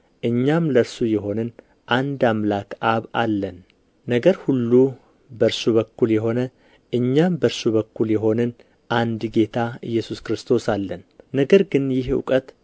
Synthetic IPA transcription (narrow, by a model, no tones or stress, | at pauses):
ʔɨɲːamləɾsujɛɦo̞nɨn | ʔand̪amlakaβalːən | nəɡəɾhulːu | bəɾsuβəkːuljɛɦo̞nə | ʔɨɲːambəɾsuβəkʰːuljɛɦo̞nɨn | ʔand̪ɡe̞t̪ʰaɨjːɛsuskɾɨst̪ʰo̞salːənːəɡəɾɡɨnjɪhṵkʼət̪